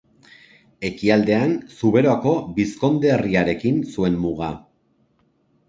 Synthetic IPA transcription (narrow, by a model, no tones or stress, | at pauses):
e̞kiald̪e̞ansuβe̞ɾo̞ako̞bisko̞nd̪e̞ːriaɾe̞kinsue̞mmuɣa